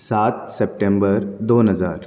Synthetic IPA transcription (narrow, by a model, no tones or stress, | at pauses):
saːt̪sep̚ʈembəɾd̪oːnɦəza̰ːɾ